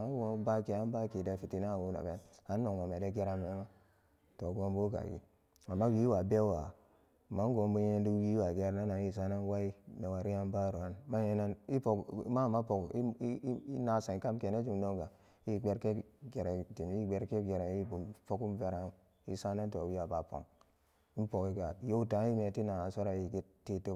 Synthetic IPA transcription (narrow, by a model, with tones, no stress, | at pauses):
a˦wo˦ba˦ke˨a˦n˦ba˦ki˨da˨fi˨ti˦na˦˨wo˦na̰˨be˨˦a˨˦nː˦o˨ŋwa˨me˨de˦ɡe˦ɾa˦me˨˦ma˦ | to˨ɡo˦mbu˦ɡa̰˨ɡḭ˨ | a˨mːa˦wi˦wa˨be˦wa˨ | ma˨˦ŋ˦ɡo˨mbu˦e˦ndu˦wi˦wa˨ɡe˦ɾna˦na˨ji˦˨sa˦na˦n˦wa˦i˦na˨wa˨ɾi˦a˦nba˦ɾu˨a˦nma˦je˦na˦ni˦po˨kma˦˨ma˦po˨ki˦i˦na˨sa˨ka˦mke˨ne˦d͡ʒu˨mno˦ŋɡa˨ | ji˦˨ɡ͡be˦ɾke˦ɡe˨ɾa˨ti˨m˨i˦˨ɡ͡be˦ɾke˦ɡe˨ɾa˨˦i˦bu˨po˦ku˦m˦ve˦ɾa˦ | i˦sa˦na˦n˦to˨wi˦a˨ba˨po̰˨ŋ | i˦po˨ki˦ɡa˨˦jo˦u˦ta˨˦i˦me˨ti˦na˨a˨so˦ɾa˦i˨ɡi˦tːe˦to˦